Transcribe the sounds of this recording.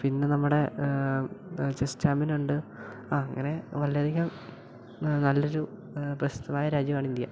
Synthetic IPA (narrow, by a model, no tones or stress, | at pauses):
pinːenɐmːuɽe̞ | t͡ɕestaːminuɳɖɨ | aːɐŋːɐne̞ʋɐlːjɐd̪ʱiɣiɐ | nɐlːo̞ɾu | prɐɕt̪ɐmaːjɐɾaːd͡ʑjɐmaːɳind̪ja̰